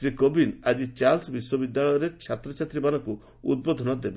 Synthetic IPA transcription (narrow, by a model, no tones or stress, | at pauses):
ɾikobinad͡ʒit͡ʃaɾlsbiswɔbid̪jaɭɔjɔɾet͡ʃʰat̪ɾɔt͡ʃʰat̪ɾibanɔku | ṵd̪̚bod̪ʱɔnɔd̪ebe